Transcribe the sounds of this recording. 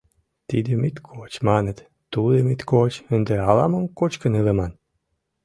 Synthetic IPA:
t̪id̪əmit̪kʰot͡ɕmɑnət̪ | t̪ud̪əmit̪kot͡ɕənd̪ĕɑlɑmə̆ŋkot͡ɕkə̆nɯlˠə̆mɑn

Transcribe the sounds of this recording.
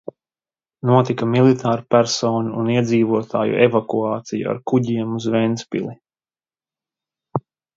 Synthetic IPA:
nuɔt̪ikamilˠit̪ʰaːɾpæɾsɔːnuːniɛd̪ziːvuɔt̪ʰaːjṵʔevakuaːt̪sijṵa̰ɾkuɟiɛmuzvɛnspḭlˠi

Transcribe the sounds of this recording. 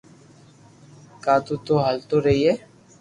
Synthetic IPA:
kaːt̪uːt̪oːɦalt̪oːɾəɦiːɛː

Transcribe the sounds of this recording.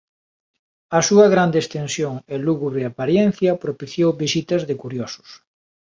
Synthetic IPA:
ɐsuɐɣɾand̪eːst̪ensjoŋeluɣuβɾeapaɾjen̟θjɐpɾopiθjowβisit̪ɐzðɪkuɾjosʊ̥s

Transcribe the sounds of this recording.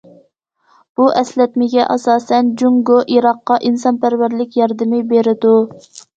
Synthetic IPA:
b̥uʔɛslɛt̪mɪɡʲɛʔɑsɑːsɛnd͡ʒuŋɡoʔiɾɑqːɑʔinsɑnpæɾvæɾlɪkʲjɑɾd̪ɪmɪbeɾɪd̪u

